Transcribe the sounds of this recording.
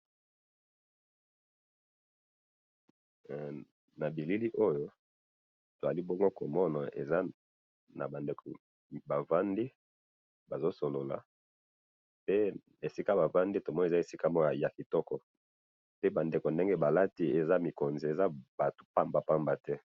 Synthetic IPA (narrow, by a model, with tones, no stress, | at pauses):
na˨bi˨li˦li˦ʔo˦jo˦ | to˨za˨li˦bɔ˦ŋɡo˦ko˨mɔ˦na˨ʔḛ˨za˦ | na̰˨ba˨nde˨ko˨ | ba˨va˦ndi˦ | ba˨zo˦so˨lo˨la̰˨ | pe˦ | e˨si˦ka˦ba˨va˦ndi˦to˨mɔ˦n˨za˦e˨si˦ka˦mɔ˦ja˨ja˨ki˨tɔ˦kɔ˨ | pe˦ba˨nde˨ko˨nde˦ŋɡe˦ba˨la˦ti˦e˨za˦mi˨ko˨nzi˨e˨za˦ba˨to̥˨pa˦mba˨pa˦mba˨tɛ˦